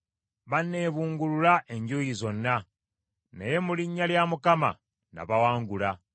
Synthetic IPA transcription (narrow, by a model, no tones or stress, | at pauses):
βanːe̞ːβuːŋɡululaʔe̞ɲɟuːjizo̞nːa | nḛje̞muliɲːaljamukama̰ | na̰βawaːŋɡula